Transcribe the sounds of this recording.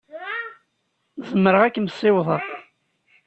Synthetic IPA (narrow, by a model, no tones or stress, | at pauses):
zəmːəɾəʁækːəmsːɪwðˤəʁ